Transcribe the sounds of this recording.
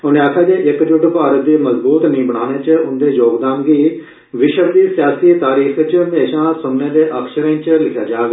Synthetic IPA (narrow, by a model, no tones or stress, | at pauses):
ʊnẽːaːkʰːjaːd͡ʒeːʔɪkd͡ʒʊʈpaːɾət̪̚d̪iːməzbuːt̪nəĩːbəɽaːneːt͡ʃʊnd̪eːjoːɡd̪aːmɡiː | ʋɪʃəɾd̪iːsɪjaːsiːt̪aːɾiːxt͡ʃənd̪eːʃãːsʊnːeːd̪eːʔəkʃəɾẽːt͡ʃlɪkʰjaːd͡ʒaːɡː